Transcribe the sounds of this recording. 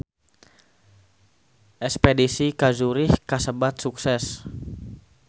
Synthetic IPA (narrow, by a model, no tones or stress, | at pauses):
ʔɛkspedisikazuɾɪhkasəbat̪̚suksɛs